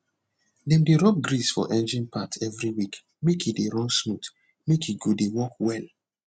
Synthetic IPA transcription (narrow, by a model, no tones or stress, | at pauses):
dɛ̃mdeɹɔp̚ɡɹisfɔ̰ʔɛ̃nd͡ʒĩnpʰatʰɛvɹiwik | mekideɹɔ̃nsmut | mekiɡudewɔkwɛl